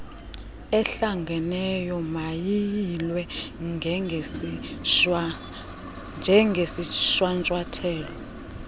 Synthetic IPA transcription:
ɛɬaŋɡʱɛnɛjɔmajijilwɛŋɛ | nd͡ʒʱɛŋʱesiʃwant͡ʃʼwatʰɛːlɔ

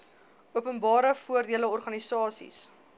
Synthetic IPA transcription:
uəpənbɑːɾəfuərdiələɔrχɐnisɑːsḭs

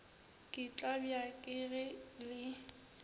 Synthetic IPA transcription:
kʼɪt͡ɬʼabjakʼɪɣɪlɪ

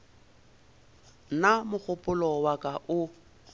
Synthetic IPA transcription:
namʊk͡xʰʊpʼʊlɔwakʼaʔʊ

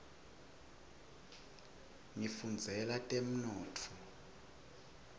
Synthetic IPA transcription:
ŋifund͡zʱɛlatʼem̩nɔːtʰɔ

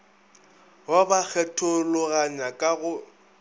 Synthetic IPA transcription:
wabak͡xʰɛtʰʼʊlʊɣaɲakʼaɣʊ

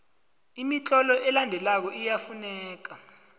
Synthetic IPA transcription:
imit͡ɬʼɔlɔʔɛlandʱɛlak̬ɔʔijafunɛːk̬a

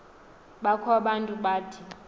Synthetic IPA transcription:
ɓakʰaɓantʼuɓaːtʰi

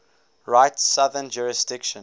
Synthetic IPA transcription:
ɹaɪtsaðənd͡ʒuɹɪsdɪkʃə̃

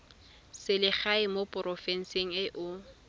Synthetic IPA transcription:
sɪlɪχaɪmopʼʊrɔfɛn̩seŋ̩ɪʔʊ

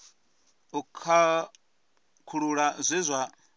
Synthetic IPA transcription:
ukʰa | kʰuɺuɺazʷizʷa

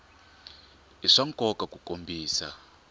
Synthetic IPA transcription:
iʂaŋkʼɔkakukʼombʱiːsa̰

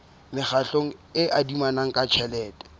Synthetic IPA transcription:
mɪχaɬoŋ̩ɪʔadimanaŋ̩kʼat͡ʃʰɛlɛːtɛ̥

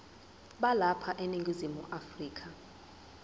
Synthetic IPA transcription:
ɓalapʰaʔeniŋɡʱizimuʔafriːkʰa

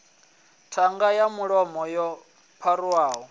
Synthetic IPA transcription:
tʰaŋɡajamuɺɔmɔjɔ | pʰaɾuwaːɦɔ

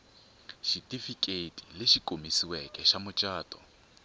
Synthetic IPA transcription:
ʃitʼifikʼetʼilɪʃikʼomisiwɛkʼɛʃamʊt͡ʃʼaːtʼɔ̰

